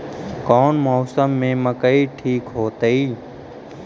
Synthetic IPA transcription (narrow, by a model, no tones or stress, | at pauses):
kɔːnmɔːsəmːẽmə̃kəiʈʰiːkɦoːt̪əiː